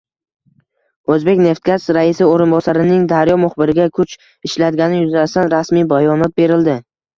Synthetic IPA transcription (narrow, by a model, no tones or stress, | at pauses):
ɵzbe̞kʲne̞ft̪̚kʲasɾaɪsɪoɾɪnbɒsaɾɪnɪŋd̪aɾjɒmʊχbɪɾɪɡʲakʰʊt͡ʃ | ɪʃlad̪ɡʲanɪjʊzast̪anɾasmijbajɒnɒt̪̚be̞ɾɪld̪ɪ